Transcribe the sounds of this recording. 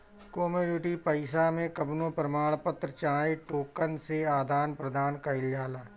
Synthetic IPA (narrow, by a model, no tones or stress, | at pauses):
koːmuːnɪʈipəɪsamẽkəbnõpɾəmaːɭpət̪ɾət͡ʃaːeʈoːkənseaːd̪ʱaːnpɾəd̪ʱaːnkɐɪljaːlaː